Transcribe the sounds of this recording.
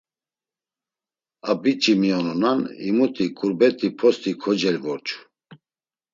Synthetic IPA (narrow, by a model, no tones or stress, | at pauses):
abit͡ʃʼimiɔnɔnanḭmut̪ʰʼikʼuɾbɛt̪ʰʼipʰɔst̪ʰʼikʰɔd͡ʒɛlvɔɾt͡ʃʰʼu̥